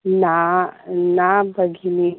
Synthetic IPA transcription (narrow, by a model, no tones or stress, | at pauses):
na | nabəɡʱini